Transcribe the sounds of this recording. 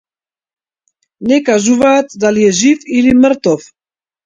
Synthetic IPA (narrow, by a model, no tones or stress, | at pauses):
nɛkaʒuvaːt̪d̪aliɛʒifiliməɾt̪ɔf